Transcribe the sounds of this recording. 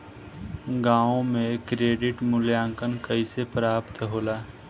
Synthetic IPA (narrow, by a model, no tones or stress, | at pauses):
ɡãːõmẽkɾeːɖɪʈmʊljãːŋkənkəisepɾaːpt̪ɦoːlaː